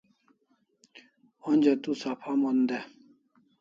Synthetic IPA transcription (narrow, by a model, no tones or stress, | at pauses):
onʲd͡ʑet̪usapʰamond̪e